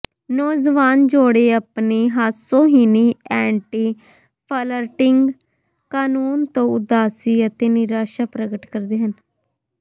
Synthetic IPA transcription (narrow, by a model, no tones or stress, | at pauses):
nɔːd͡ʒʋaːnd͡ʒoːɽeːəpniːɦaːsõːɦiːniːɛːɳʈiː | pʰələɾʈɪŋɡ | kaːnuːnt̪õːʊd̪aːsiːət̪eːnɪɾaːʃaːpɾəɡəʈkəɾd̪eːɦən